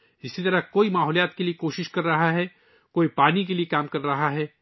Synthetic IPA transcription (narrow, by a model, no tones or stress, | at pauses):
d͡ʒɪsːit̪ɐɾakoːimaːɦɔːlijaːt̪keliekoːʃɪʃkɐɾːɐɦaɦɛː | koːipaːnik̬eliekaːmkɐɾːɐɦaɦɛː